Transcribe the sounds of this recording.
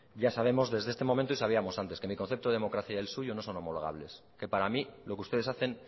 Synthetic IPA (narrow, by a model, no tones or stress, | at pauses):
ɟ͡ʝasaβ̞e̞mo̞zðe̞zðest̪e̞mo̞ment̪oisaβ̞iamo̞sant̪e̞ske̞miko̞n̟θept̪oð̞emokɾaθjaelsuʝono̞so̞no̞mo̞lo̞ɣa̰β̞le̞s | ke̞paɾamilo̞keust̪eðesaθe̞n